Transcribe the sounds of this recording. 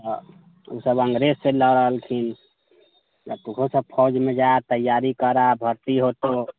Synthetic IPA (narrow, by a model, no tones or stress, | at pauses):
t̪ɔ | ṵsəbəŋɡɾesːelɔɾəɦəlkʰin | jat̪uɡʰʱosəb̚pʰɔd͡ʒmed͡ʒaet̪əjːaɾikəɾabʱəɾt̪iɦot̪o